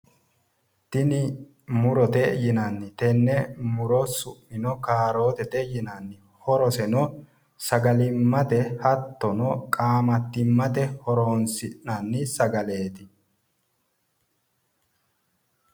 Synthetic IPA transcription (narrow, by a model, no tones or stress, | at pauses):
t̪ɪnɪ | mʊɾɔt̪ɛjɪnɐnːɪt̪ɛnːɛmʊɾɔsʊʔːɪnɔkaːɾo̞ːt̪ɛt̪ɛjɪnɐnːɪ | hɔɾɔsɛnɔ | sɐɡɐlɪmːɐt̪ɛhɐt̪ːɔnɔkʼaːmɐt̪ːɪmːɐt̪ɛhɔɾoːnsɪnɐnːɪsɐɡɐle̞ːt̪ɪ